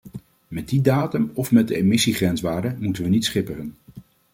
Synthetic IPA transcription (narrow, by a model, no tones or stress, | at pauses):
mɛt̚didaːtəmɔfmɛt̚dəemɪsiχrɛnsʋaːɹdəmutənʋənitsχɪpərən